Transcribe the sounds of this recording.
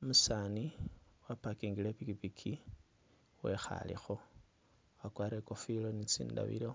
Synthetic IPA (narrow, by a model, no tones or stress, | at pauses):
musaniwapakiŋɡilepikipikʰi | we̞̰xa̰lḭxo̞ | wakwaːɾeko̞filonit͡sḭːnda̰βḭlo